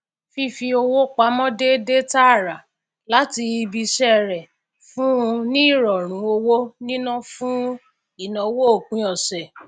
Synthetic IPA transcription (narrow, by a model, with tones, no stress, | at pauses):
fi˧fi˧o˧wo˦k͡pa˧˦mɔ̃˦de˦de˦ta˦˨ɾa˨ | la˨˦ti˧i˧bi˧ʃɛ˦˨ɾɛ˨ | fũ˦ũ˧nĩ˦i˦˨ɾɔ˨ɾ̃ũ˨˦o˧wo˦nĩ˦nũ˦fũ˦ | i˦˨nɔ̃˨wo˦o˦˨k͡pũ˨˦ɔ˨sɛ˨